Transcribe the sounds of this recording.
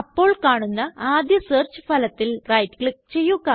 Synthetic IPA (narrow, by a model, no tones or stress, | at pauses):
ɐpːo̞ːɭkaːɳunːɐaːd̪jɐseːrt͡ɕɨ̥fɐlɐt̪ːilrɐjtːkɭik̚t͡ɕe̞jːuɣɐ